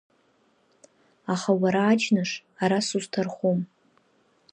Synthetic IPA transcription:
aχawaɾaːd͡ʒnaʂaɾasuztʰarχom

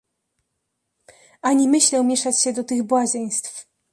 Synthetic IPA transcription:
ʔaɲimɘɕlɛwmʲjɛʂat͡ɕɕɛd̪ɔt̪ɘɣbwaʑej̃st̪f

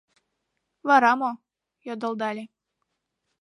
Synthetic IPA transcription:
vɑɾɑmo | jod̪ɤ̆lˠd̪ɑlʲe

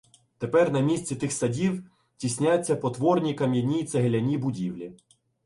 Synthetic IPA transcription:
t̪epɛrnɐmʲisʲt͡sʲit̪ɪxsɐdʲiw | tʲisʲnʲat͡sʲːɐpɔt̪ʋɔrnʲikɐmʲjɐnʲit̪sɐɦelʲɐnʲibʊdʲiwlʲi

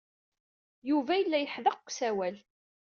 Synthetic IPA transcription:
juvæjəlːæjəħðəqʷːsæwæl

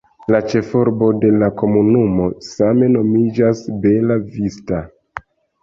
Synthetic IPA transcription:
lat͡ʃe̞foɾbo̞de̞lako̞munumo̞same̞no̞mid͡ʒasbe̞lavista

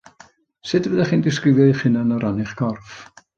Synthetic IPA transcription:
sɪdvəðɛχiːndɪskrɪvjɔiχɪnanɔɾanɪχɡ̥ɔrf

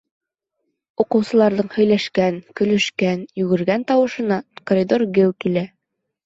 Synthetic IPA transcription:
uqɤ̆wsɤ̆lˠɑɾðɤɴhɵ̆jlæʃkænkɵ̆lɵ̆ʃkænjʉɡɘ̆ɾɡænt̪ɒwɤ̆ʃɤ̆nɑkoɾʲid̪o̞rɡɘlˠkilæ

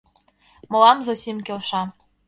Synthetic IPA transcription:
mɤ̆lˠɑmzosʲimkʲelʃɑ

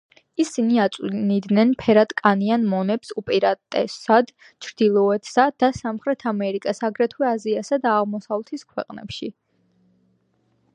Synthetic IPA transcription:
isiniat̪sʼnid̪nɛnpʰɛɾat̪ʼkʼanianmɔnɛpsupʼɛɾat̪ʼɛsad̪̥ | t͡ʃʰɾd̪̥ilˠɔɛt̪ʰsad̪asamχɾɛt̪ʰamɛɾikʼasaɡɾɛt̪ʰwɛaziasad̪aːʁmɔsavlˠt̪ʰiskʰwɛ̰qʼnɛ̰pʃi

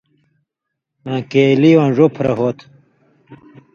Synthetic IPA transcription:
ãkeːliwɐnʐopʰɾɐ̰ɦoːt̪ʰ

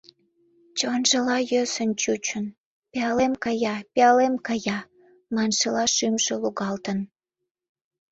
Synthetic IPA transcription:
t͡ɕonʒəlɑjøsənt͡ɕut͡ɕən | peɑlemkɑjɑpeɑlemkɑjɑ | mɑnʃəlɑʃymʒeluɣɑlt̪ən

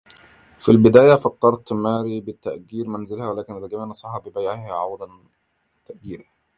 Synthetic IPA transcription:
filbɪd̪æːjafɑt̪ːɑɾˤt̪mæːɾibɪt̪ːaʔɡiːɾmænzɪlhæwalæːkɪnʔɪðæɡæmiːʕnɑsˤɑħɑbɪbajʕɪhʕɑwd̪ˤɑn | t̪ːaʔɡiːɾa

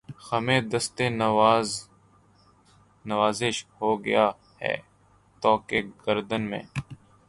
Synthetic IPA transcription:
xəmẽːd̪əst̪eːnː | nəʋaːzɪʃhoːɡə̰jaː | hɛ̰ː | t̪ɔːkeɡəɾd̪ənmḛ̃ː

